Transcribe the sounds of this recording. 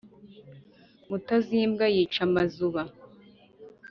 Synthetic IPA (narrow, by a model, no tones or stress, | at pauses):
mutaziːmɡajiːt͡ʃamazuβa